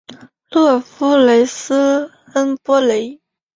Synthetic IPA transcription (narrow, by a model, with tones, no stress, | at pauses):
lɤ˥˩fu˥le˧˥ɪs̩˥xə˥npwɔ˥le˧˥ɪ